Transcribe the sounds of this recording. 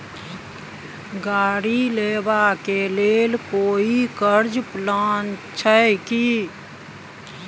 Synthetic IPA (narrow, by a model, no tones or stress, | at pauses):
ɡaːɽilebakelelkoːikəɾd͡ʒplaːnt͡ʃʰəjki